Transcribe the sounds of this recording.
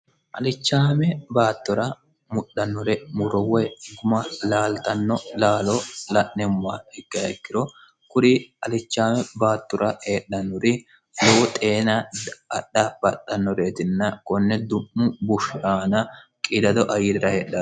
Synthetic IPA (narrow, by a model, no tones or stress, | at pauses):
ʔɐlɪt͡ʃːaːmɛbaːt̪ːɔɾɐ | mʊɗːɐnːʊɾɛmʊɾɔwɛɡʊmɐlaːlt̪ɐnːɔlaːlɔlɐʔnɛmwaɪɡːɐɛkːɪɾɔ | kʊɾɪɐlɪt͡ʃːaːmɛbaːt̪ːɔɾʔɐheːɗːɐnːʊɾɪ | lɔwɔt̪ʼeːnɐɐɗːɐb̥ɐɗːɐnːɔɾe̞ːt̪ɪnːɐkɔnːɛd̪ʊʔʊbʊʃaːnɐkʼɪd̪ɐd̪ɔʔɐjɪɾɪɾɐheːɗːɐ